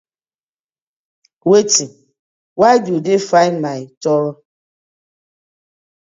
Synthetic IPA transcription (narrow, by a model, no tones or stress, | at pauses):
weti | wadudefaɪnmajtɔ